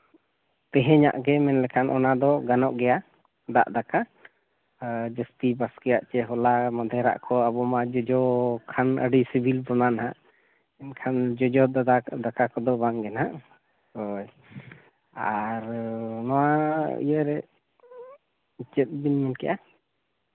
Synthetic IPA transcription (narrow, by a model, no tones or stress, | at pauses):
t̪ɛɦɛɲa̰ʔɡɛmɛnlɛkʰanʔɔnad̪ɔɡanɔʔɡɛja | d̪a̰ʔd̪aka | d͡ʒəst̪ibaskɛjaʔt͡ʃɛɦɔlamɔd̪ʱɛɾa̰ʔkɔabɔmad͡ʒɔd͡ʒɔkʰanə̰ɖisibʱilbɔnanaɦaʔ | ɛnkʰand͡ʒɔd͡ʒɔd̪d̪ad̪akakɔd̪ɔbaŋɡɛnaʔ | ɔj | aɾnɔwaḭjəʔɾɛ | t͡ʃət̪̚binmɛnkɛʔa